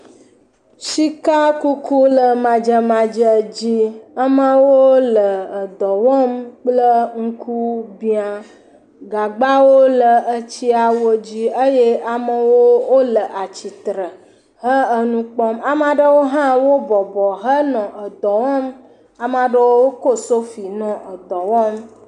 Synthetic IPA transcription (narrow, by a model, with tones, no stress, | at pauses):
ʃi˦ka˦ku˦ku˦lə˨mã˨d͡ʒə˦mã˨d͡ʒə˨d͡ʑi˦ə˦mə˦wo˦lə˨ə˨d̪ɔ˨wɔ˦mk͡plə˦ŋ̩˦kʰu˦bi˦a˨ | ɡa˨ɡ͡ba˦wo˦lə˨ʔə˦t͡ɕi˦a˨wo˦d͡ʑi˦ə˦je˦a˨mə˨wo˦wo˦lə˨ʔa˨t͡ɕi˨t̪ɾə˨ | ɦə˦ə˦nũ˦k͡pɔ˦ma˨m˦a˨ɖə˦wo˦ɦã˦wo˦bɔ˨bɔ˨ɦə˦nɔ̃˨ʔə˨d̪ɔ˨wɔ˦m | a˨m˦a˨ɖə˦wo˦wo˦ko˦so˦fi˨nɔ̃˨ʔə˨d̪ɔ˨wɔ˦m